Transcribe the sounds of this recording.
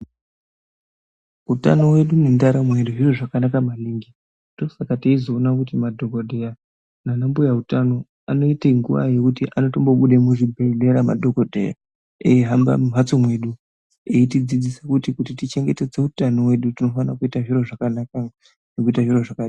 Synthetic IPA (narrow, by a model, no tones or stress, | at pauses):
uta̰no̞we̞ɗunendaɾamwe̞ɗuʐiro̞ʐakanakamaliːŋɡi | to̞sakateizo̞ːnakutimadʱo̞ɡodʱe̞ja | nanambojautano̞ | ano̞iteŋɡṵʋa̰je̞kutiʔano̞tombo̞ɓuɗemuʐibʱele̞ɾama̰dʱoɡodʱḛja̰ | eiɦamba̰mum̤at͡somwe̞ɗu | eitid͡zid͡zisakutikutitit͡ʃe̞ŋɡe̞te̞d͡ze̞utano̞we̞ɗutino̞fanakuitaʐiro̞ʐakanaka | nekuitaʐiro̞ʐakaɗi